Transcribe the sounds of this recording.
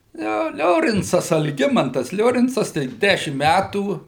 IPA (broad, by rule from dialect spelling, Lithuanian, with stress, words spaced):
ˈjoː ˈlʲoːrʲɪnt͡sɐs ɐlʲˈɡʲɪmɐntɐs ˈlʲoːrʲɪnt͡sɐs ˈtɐɪp ˈdʲæʃʲɪm ˈmʲætuː